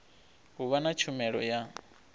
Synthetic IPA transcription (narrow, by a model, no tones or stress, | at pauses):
ɦuβanat͡ʃʰumɛɺɔ̰ja